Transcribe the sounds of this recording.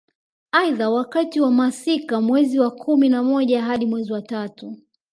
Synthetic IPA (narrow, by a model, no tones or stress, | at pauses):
aiðawakatiwamasikamwɛziwakʰuminamɔʄaɦaɗimwɛziwatatu